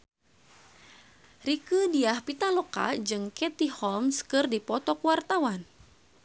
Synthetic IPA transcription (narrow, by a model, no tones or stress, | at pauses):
rikədiahpit̪aloka̰d͡ʒɨŋkɛt̪ihɔlmskɨrdipɔt̪ɔkwart̪awan